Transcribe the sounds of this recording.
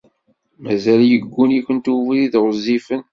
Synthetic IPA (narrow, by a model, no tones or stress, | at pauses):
mæzæljəɡʷːunikʷənt̪uviðiðʁəzːifən